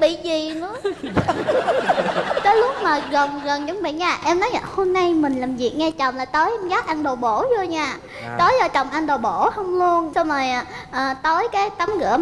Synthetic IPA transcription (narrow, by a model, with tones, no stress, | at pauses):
ɓḭ˧˨zi˨˩nɨ̰˧˦ə | t̪əː˨˦jlʊ˦˥k͡p̚maː˨˩ɣə˨˩nɣə˨˩nt͡ɕʊ˨˦ŋ͡mɓḭ˧˨ɲaː˧˩ʔɛ˧mnɔ˨˦ja̰ː˧˨˩ho˧mna˧jmï˨˩ŋ̟laː˨˩mvi˨˩ək̚ŋɛ˧t͡ɕɔ˨˩wŋ͡mlaː˨˩jt̪ə˨˦jʔɛ˧mɣaː˦˥t̚ʔa˧nɗo˨˩ɓo˧˩zo˧jɲaː˧˩ | t̪ə˨˦jzɔ˧t͡ɕɔ˨˩wŋ͡mʔa˧nɗo˨˩ɓo˧˩hə˧wŋ͡mlu˧ənsɔ˧məː˨˩jʔaː˨˩ʔəː˨˩t̪əː˨˦jkaː˨˦jt̪a˨˦mɣɨ̰˧˥ə